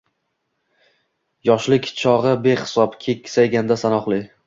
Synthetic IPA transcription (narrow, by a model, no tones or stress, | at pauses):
jɒʃlɪkʲt͡ʃʰɒʁɨbeχɪ̥sɒpkʲʰekʲːsajɡʲand̪asanɒqlˠɪ